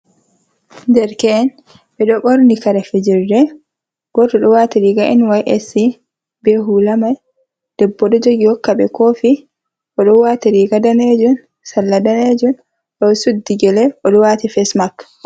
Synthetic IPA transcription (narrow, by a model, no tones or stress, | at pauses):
d͡ʒɛɾkɛːn | bɛɗɔɓɔɾnikɐɾɛfɛd͡ʒɪrːɛ | ɡ̥ɔdɔɗɔwaːt̪iɾiːɡaʔɛnwajʔɛsi | bɛɦulamaj | d̪̥ɛbːɔɗɔd͡ʒoɡihɔkːaɓɛ̰koːfi | ʔɔɗɔwaːt̪iɾiːɡadaneːd͡ʒʊn | sɐlːɐdaneːd͡ʒun | ɗɔsud̪ːiɡɛlɛʔɔɗɔwaːt̪ifɛsmakː